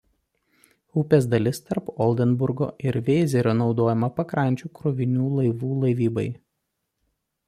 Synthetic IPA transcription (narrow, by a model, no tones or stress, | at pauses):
ʊpʲɛsd̪ɐlʲɪst̪ɐɾpɔlʲˠd̪ʲɛnbʊɾɡo̰ːʔɪɾʋʲeːzʲɛɾʲonɒʊd̪oːjɛmɐpɐkɾɐnʲt͡ʃʲuːkɾʊʋʲɪnʲuːlˠɐɪʋuːlˠɐɪʋʲiːbɐɪ